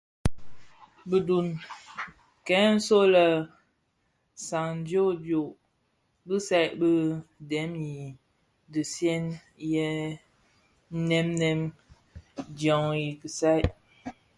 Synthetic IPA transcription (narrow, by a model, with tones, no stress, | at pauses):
bə˨du˨n | kɛ˨˦n̩˦so˦lə˦ | sa˨ŋn˦djo˦djo˨ʔ | bə˦sa˦jʔbə˦dɛ˨˦mji˨ | də˨sjɛ˦n | jɛ˦ | nɛ˦mnɛ˦m | djɔ˨ŋji˨kə˨sa˦jʔ